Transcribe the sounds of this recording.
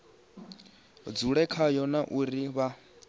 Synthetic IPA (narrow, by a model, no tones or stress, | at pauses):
d͡zuɺɛkʰajɔnaʔuɾiβa